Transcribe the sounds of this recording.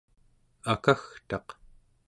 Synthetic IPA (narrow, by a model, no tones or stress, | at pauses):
akaxt̪ɑq